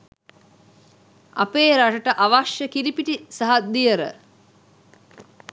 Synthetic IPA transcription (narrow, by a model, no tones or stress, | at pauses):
a̰peːɾaʈəʈəʔaʋaʂjəkiɾipiʈisaɦad̪ijəɾə̰